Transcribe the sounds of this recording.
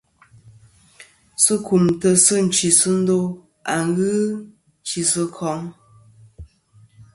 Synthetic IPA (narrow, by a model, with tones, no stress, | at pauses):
sə˦ku˨mtə˨sɨ˦n̩˨t͡ʃi˨sɨ˦n̩˦do˦ | a˨ŋɣɨ˦ | n˦t͡ʃi˨sə˦kʰɔ˨˦ŋ